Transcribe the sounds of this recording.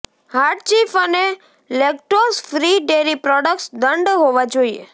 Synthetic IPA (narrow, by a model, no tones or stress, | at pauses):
haɾʈt͡ʃifəne | lek̚ʈosfɾiɖeɾipɾɔɖəksd̪əɳɖɦoʋad͡ʒoiḛ